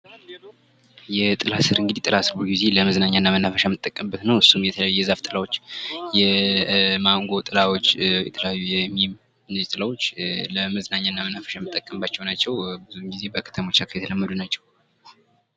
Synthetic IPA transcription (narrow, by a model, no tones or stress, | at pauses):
jɛt̪ʼɨlasɨɾɨŋɡɨd̪it̪ʼɨlasɨɾboɡuizeləməznaɲːanːamənːafəʃajmɨt̪ʼːəkʼːəmbːət̪nəwɨsːumjɛt̪ʰələjajːujɛzaft̪ʼɨlawot͡ʃːjɛ | maŋɡo̞t̪ʼɨlawo̞t͡ʃːjɛ̰t̪ʰələjajːujɛmim | nɨzt̪ʼɨlawo̞t͡ʃːləməznaɲːanːamənːafə̥ʃamɨt̪ʼːəkʼːəmbat͡ʃːɛwnat͡ʃːɛwbɨzuŋɡize̞bəkʰə̥t̪ʰəmo̞t͡ʃːakʰjet̪ʰələmːəd̪unat͡ʃːɛw